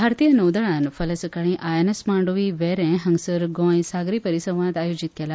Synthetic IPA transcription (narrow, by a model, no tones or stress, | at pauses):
bʱaɾt̪ijənəwd̪əɭãnfələsəkaɽ̃ĩʔajenəsmãɳɖoʋiʋeɾɛ̃ɦəŋɡsəɾɡɔ̃jsaɡɾipəɾisə̃w̃ʋãd̪ajud͡ʑit̪̚kela